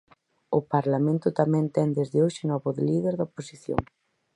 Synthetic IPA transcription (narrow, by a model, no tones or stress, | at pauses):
ʊpaɾlamẽnt̪ʊt̪amɛ̃nt̪ɛnd̪ezðɪoʃɪnɔβʊðɪlið̞eɾðaoposiθjo̰ŋ